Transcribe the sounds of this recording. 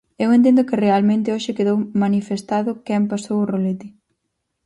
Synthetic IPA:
ewent̪ẽnd̪ʊkɪrealmẽnt̪ɪoʃɪkeðowmanifest̪aðʊkɛmpasowʊrolet̪ɪ

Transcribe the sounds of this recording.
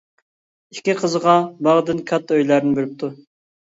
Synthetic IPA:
ikʲiqʰəzəʁɑbɑʁd̪ɨnkʲʰɑt̪ːøjlæɾɪnɪbelɪp̚t̪ʰu

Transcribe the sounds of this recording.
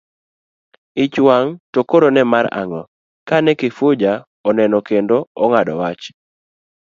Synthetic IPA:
ɪt͡ʃwaŋtokoɾonɛmaɾa̰ŋɔ | kanɛkɪfʊd͡ʒa | ɔnɛnɔkendoɔŋadɔwat͡ʃ

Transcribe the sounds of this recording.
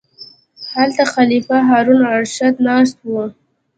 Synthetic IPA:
halt̪axalifaɦɑɾunaɾʃad̪nɑs̬t̪̚wu

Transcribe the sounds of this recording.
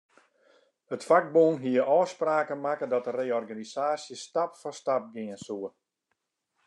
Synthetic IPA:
hətfak̚bunɦiəɔːspraːkənmakədɔtəreːɔrɡanisaːsjəstapfɔstap̚ɡɪənsuə

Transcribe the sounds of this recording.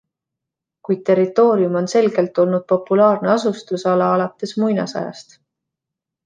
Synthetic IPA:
kuj̪̚t̪ːe̞ɾit̪ːˑo̞ːɾiumo̞nse̞lɡe̞lt̪ːˑo̞lnud̪̥̚po̞pːulɑːrneɑsust̪usɑlɑɑlɑt̪ːˑe̞smujnɑ̰sɑ̰jɑ̰st̪

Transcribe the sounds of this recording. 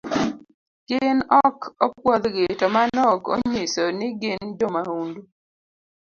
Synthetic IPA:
ɡ̥ɪnɔkɔpwɔd̪ɡetɔmanɔko̰ɲisonɪɡɪndomahundu

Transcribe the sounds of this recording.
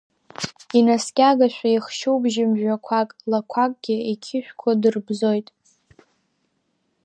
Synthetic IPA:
inaskʲʼaɡaʃᶣʷajiχʃuwbʒɪmʒᶣakʷʰakʼlakʷʰakʼɡ̥ʲɪikʲʰɪʃᶣkʷʰadɨrbzo̞jtʼ

